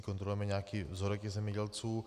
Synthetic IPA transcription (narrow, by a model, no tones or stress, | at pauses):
kont̪ɾolujɛmɛɲaːkiːvzoɾɛkɪzɛmɲɛɟɛlt͡suː